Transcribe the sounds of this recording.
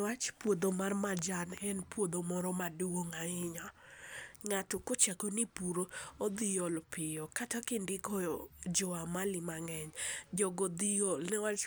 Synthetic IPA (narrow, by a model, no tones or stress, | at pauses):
wat͡ʃpwod̪omarmad͡ʒanɛnpwod̪omɔɾɔmaduwoŋaɪɲa | ŋatɔkot͡ʃakonipuɾoːd̪ijɔlpɪjɔkatakɪndɪkɔd͡ʒɔamalɪmaŋɛɲd͡ʒɔɡɔd̪ijɔlnɛwat͡ʃ